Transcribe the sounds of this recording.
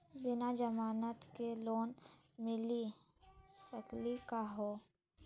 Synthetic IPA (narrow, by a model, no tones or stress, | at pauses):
bɪnad͡ʒəmaːnət̪keloːn | mɪli | səklikaɦoː